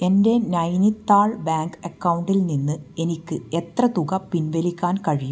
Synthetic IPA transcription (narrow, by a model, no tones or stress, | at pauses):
e̞nde̞nɐjnit̪ːaːɭbaːŋɡɐkːɐwuɳɖilninːɨe̞nikʲːɨe̞t̪rɐt̪uɣɐpinʋelikʲːaːnkɐɻijum